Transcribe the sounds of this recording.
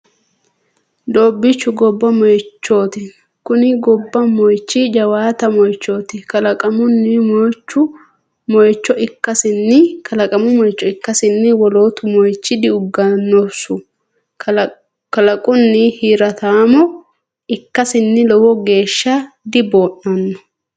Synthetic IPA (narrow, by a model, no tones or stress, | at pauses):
d̪o̞ːbːɪt͡ʃːʊɡɔbːɐmɔjt͡ʃːo̞ːt̪ɪ | kʊnɪɡɔbːɐmɔjt͡ʃːɪd͡ʒɐwaːt̪ɐmɔjt͡ʃːo̞ːt̪ɪkɐlɐkʼɐmʊnːɪmɔjt͡ʃːʊ | mɔjt͡ʃːɔɪkːɐsɪnːɪkɐlɐkʼɐmʊmɔjt͡ʃːɔɪkːɐsɪnːɪwɔloːt̪ʊmɔjt͡ʃːɪd̪ɪʊɡːɐnːɔsʊ | kɐlɐkʼʊnːɪhiːɾɐt̪aːmɔ | ɪkːɐsɪnːɪlɔwɔɡe̞ːʃːɐ | d̪ɪbo̞ːʔnɐnːɔ̥